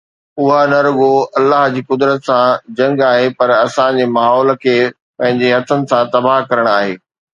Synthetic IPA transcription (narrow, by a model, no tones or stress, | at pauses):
ʊɦanɐɾʊɠoɐlːaːɦd͡ʑiːkʊd̪ɾət̪sãd͡ʑɐ̃ŋɡaːɦepɐɾɐsãd͡ʑeːmaːɦɔːl̆kʰeː | pɐ̃ɦɪ̃ɲd͡ʑeɦɐt̪ʰənɪ̆sãt̪ɐbaːɦkɐɾəɽ̃aːɦeː